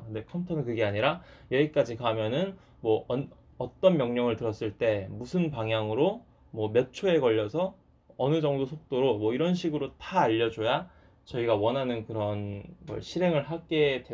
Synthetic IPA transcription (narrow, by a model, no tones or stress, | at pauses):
kɯnde̞kʰʌmtʰʌnɯnkɯɡe̞aɲiɾajʌik͈ad͡ʑikamjʌnɯn | mwʌʌn | ʌt͈ʌnmjʌŋɲʌŋɯɭtɯɾʌs͈ɯɭt͈e̞musʰɯnpaŋɦjaŋɯɾo | mwʌmjʌt͡ɕʰoe̞kʌʎːʌsʰʌ | ʌnɯd͡ʑʌŋdosʰok̚t͈oɾomwʌiɾʌnɕʰiɡɯɾotaːʎːʌd͡ʑoja | t͡ɕʌiɡawʌnɦanɯnkɯɾʌnɡʌ̰ɭɕʰiɾe̞ŋɯɭɦaɡe̞dwe